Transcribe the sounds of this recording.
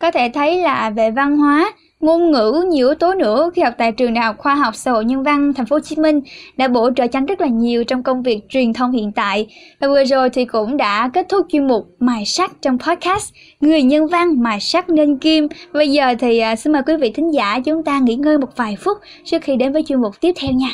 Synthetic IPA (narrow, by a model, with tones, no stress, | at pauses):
kɔ˨˦t̪ʰe˧˩t̪ʰə˨˦jlaː˨˩ve˨˩va˧nɦwaː˨˦ | ŋo˧nŋɨ̰˧˥ɲi˧˩əwt̪o˨˦nɨ̰˧˥əxi˧hɔ˨˩k͡p̚t̪a̰ː˧˨jt͡ɕɨ˨˩ŋɗaː˨˩jhk͡p̚xwaː˧ɦa˨˩wk͡p̚sa̰ː˧˥ho̰˧˨jɲə˧nva˧ŋt̪ʰjŋ̟fo˨˦˧t͡ɕi̥˨˦mï˧ŋ̟ɗa̰ː˧˥ɓo̰˧˥t͡ɕə̰ː˧˨t͡ɕa˧˦ŋzə˦˥t̚laː˨˩ɲi˨˩əwt͡ɕɔ˧wŋ͡mkə˧wŋ͡mvi˨˩ək̚t͡ɕwi˨˩ənt̪ʰə˧wŋ͡mhḭ˧˨ənt̪a̰ː˧˨jvɨ˨˩əzo˨˩jt̪ʰi˨˩kʊ̰˧˥ŋ͡mɗa̰ː˧˥ke˦˥t̚t̪ʰʊ˦˥k͡p̚t͡ɕwi˧ənmʊ˨˩k͡p̚maː˨˩jsa˦˥t̚t͡ɕɔ˧wŋ͡mpʰɔ˦˥t̚kaː˦˥st | ŋɨ˨˩əjɲə˧nva˧ŋmaː˨˩jsa˦˥k̚ne˧nki˧mɓə˧jzəː˨˩t̪ʰi˨˩ʔːsi˧ŋməː˨˩jkwi˨˦vḭ˧˨t̪ʰï˨˦ŋ̟zaː˧˩t͡ɕʊ˨˦ŋ͡mt̪aː˧ŋḭ˧˥ŋəː˧jmo˨˩t̚vaː˨˩jfʊ˦˥k͡p̚ | t͡ɕɨ˦˥ək̚xi˧ɗe˨˦nvəː˨˦jt͡ɕwi˧ənm˨˩k͡p̚t̪i˦˥əp̚t̪ʰɛ˧wɲaː˧